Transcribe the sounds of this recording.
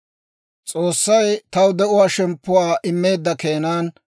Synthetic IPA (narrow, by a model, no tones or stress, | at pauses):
t͡sʼoːsːɐjt̪ɐwd̪ɛʔʊwaːʃɛmpːʊwaːʔɪmːe̞ːd̪ːɐkeːnaːn